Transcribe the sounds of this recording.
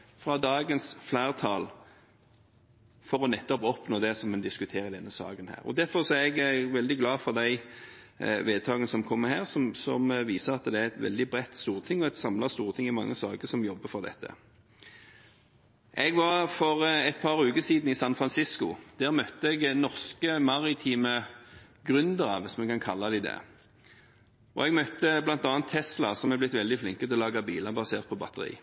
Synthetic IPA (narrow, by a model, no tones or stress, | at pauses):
fʁɑd̪ɑːɡənsflæːʁt̪ʰɑːl | fɔɾɔnɛt̪ːɔpɔpnoːd̪ɛsɔmɛnd̪ɪskʉt̪ʰeːɾəd̪ɛnːəsɑ̰ːɡənhæ̰ːʁɔ̰d̪æʁfɔʁsɔæɾɛɡʋɛld̪ɪɡlɑːfɔʁd̪æɪ | ʋeːd̪̚t̪ʰɑːɡənəsɔmkʰɔmːəɦæːʁsɔmsɔ̰mʋiːsəʁɑt̪d̪ɛæɾɛt̪ʋɛ̰ld̪ɪbʁɛt̪ːst̪uːʁt̪ʰɪŋːɔɛt̪sɑmlɑst̪uːʁt̪ʰɪŋːɪmɑŋːəsɑ̰ːɡəsɔmjɔbːəfɔʁd̪ɛ̰t̪ʰːə̰ | ʔɛɡʋɑʁfɔʁɛt̪̚pʰɑʁʉːkəsiːd̪n̩ɪsɑnfʁɑnsɪskʊd̪̥æːʁmœt̪ːəɛɡnɔʁskəmɑʁɪt̪ʰiːmə | ɡʁʉnd̪əʁɑʋɪsmɛkɑnkʰɑlːɑd̪æɪd̪ɛ̰ | ʔɔ̰ɛɡmœt̪ːəblɑnt̪ɑːnt̪ʰːɛslɑsɔmɛblɪt̪ʋɛld̪ɪflɪŋkət̪ʰɛlɔlɑːɡɑbiːləbɑseːʁt̪̚pʰɔbɑt̪əʁḭː